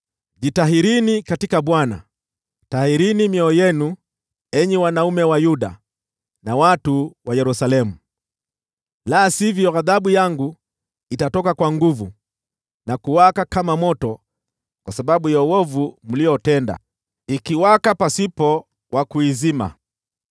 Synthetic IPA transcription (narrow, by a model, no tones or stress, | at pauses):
ʄitaɦiɾinikatikaɓwana̰ | tahiɾinimiɔjɛnu | ɛɲɛwanaumɛwajuɗa̰ | nawatuwajɛɾusalɛmu | laːsivjɔɣaðaɓujaŋɡu | itatɔkakwaŋɡuvu | nakuwakakamamɔtɔ | kwasaɓaɓujɔwɔvum̩lijɔtɛnda̰ | ikiwakapasipɔ | wʔakuizima̰